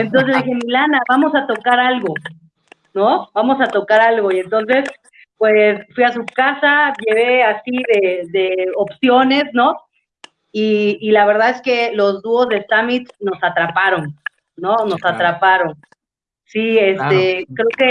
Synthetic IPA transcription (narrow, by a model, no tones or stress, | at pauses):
ent̪̬o̞ns̬ezðixe̞milanaβamo̞sat̪o̞kaɾalɣo̞ | no̞bamo̞sat̪o̞kaɾalɣo̞ie̞nt̪o̞ns̬e̞s | pwe̞sfwias̬ukasaʝe̞βe̞asiðe̞ðe̞opsjo̞ne̞sno | iːlaβe̞ɾð̞aðe̞ske̞lo̞zðuo̞zðesamit̪no̞sat̪ɾapaɾo̞nː | ono̞sat̪ɾapaɾo̞n | siest̪ekɾe̞oke